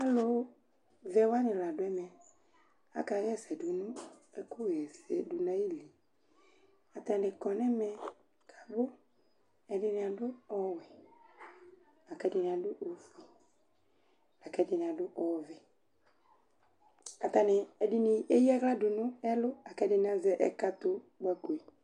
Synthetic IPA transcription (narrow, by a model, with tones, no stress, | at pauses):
a˦lʊ˦ | vɛ˨wa˦nɪ̃˨la˨dʊ˨˦ɛ˦mɛ̃˨ | a̰˨ka˨ɣɛ˦˨sɛ˨dʊ˨nʊ̃˦ɛ˨kʊ˦ɣɛ˨sɛ˨dʊ˨nã˦ji˦li˨ | a˨t̪ã˨dɪ˨kɔ˨nɛ˦mɛ˨ | kʰa˨bʊ˦ | ɛ˨dɪ˨nɪ̃˨a˨dʊ˦ɔ˦˨wɛ˨ | a˨kɛ˦dɪ˨nɪ̃˨ã˨dʊ˦ʔo˨fi˨ | a˨kɛ˨˦dɪ˨nɪ̃˨ã˨dʊ˦ʔɔ˨vɪ˨ | a˨t̪a˨nɪ˨ɛ˨dɪ˨ni˨e˦ji˦a˦ɣla˦dʊ˨nʊ̃˦ɛ˦lʊ˦a˨kɛ˦dɪ˨n˨ã˨zɛ˨ʔɛ˨ka˦t̪ʊ˦ | ɡ͡ba˨ko˨e˨